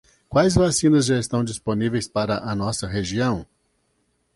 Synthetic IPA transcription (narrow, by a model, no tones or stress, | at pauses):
kwajzvasĩnɐzʒaest̪ɐ̃w̃d͡ʒisponivejspaɾɐʔɐnɔsɐɦeʒiɐ̃w̃